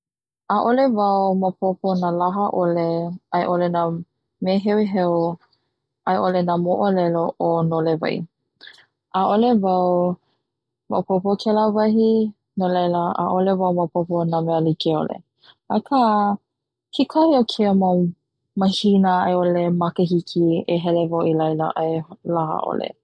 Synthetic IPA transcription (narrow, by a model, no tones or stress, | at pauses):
ʔaʔolevawmapʰoponalaɦɐʔoleajʔolena | meɦɛwiɦɛw | ajʔolenamoʔolɛloʔonoleva̰j | ʔaʔolevaw | ma̰popokʰɛlavɐɦi | nolajlaʔa̰ʔolevawmawpoponamɛəlikio̰lḛ | akʰa | kʰikʰaiokʰiəma | mahinəaeolemakeɦikʰieɦɛlevawilajla̰ʔajlaha̰ʔo̰lḛ